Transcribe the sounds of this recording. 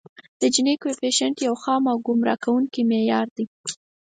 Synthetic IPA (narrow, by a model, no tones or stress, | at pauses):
d̪̥əd͡ʒɪnekwepeʃaɳʈjawxɑmawɡʊmɾɑ̰kʰawuŋkimejɑɾd̪i